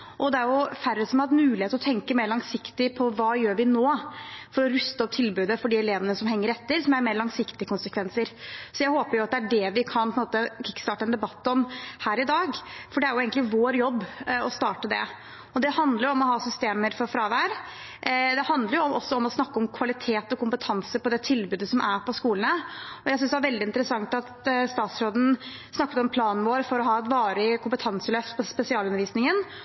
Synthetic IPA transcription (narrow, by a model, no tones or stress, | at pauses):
ʔɔd̪ɛæɾjʊfæɾːəsɔmhɑmʉːlɪheːt̪ɔt̪ʰɛŋkəmeːɾɭɑŋsɪkt̪ɪpʰɔʋɑːjøːɾʋɪnoːfɔɾɔɾʉst̪əɔp̚t̪ʰɪlbʉːd̪əfɔɖiːɛleːʋənəsɔmɦɛŋːəɾɛt̪ːəɾsɔmæɾmeːɾlɑŋsɪkt̪ɪəkʰʊnsəkʰʋɛnsəɾsɔjæɪhoːpəɾjʊɑt̪̚d̪ɛæɖɛʋɪkʰɑnpʰɔənmoːt̪əkʰɪkːst̪ɑːʈəɛnd̪ɛbɑt̪ːɔmhæːɾɪd̪ɑːɡfɔɖɛæɾjʊeːɡənɪʋoːɾjɔbːɔst̪ɑːʈəd̪ɛ̰ | ɔd̪ɛhɑnd̪ləɾjʊɔmɔɦɑːsʏst̪eːməɾfɔɾfɾɑːʋæːɾ | d̪ɛhɑnd̪ləɾjʊʔɔsːɔɔmɔsnɑkːəɔmkʰʋɑlɪt̪ʰeːt̪ɔkʰʊmpət̪ʰɑnsəpɔd̪ɛt̪ʰɪlbʉːd̪əsɔmʔæɾpʰɔskuːlənəɔjæɪs̬ʏnsd̪ɛæɾʋɛld̪ɪnt̪əɾəsɑŋt̪ɑt̪st̪ɑːt̪sɾoːd̪n̩ | snɑkːət̪ɔmpʰlɑːnʋoːɾfɔɾɔɦɑːɛt̪ʋɑːɾɪkʰʊmpət̪ʰɑnsəløft̪pʰɔspɛsɪɑːlʉnəɾʋiːsnɪŋən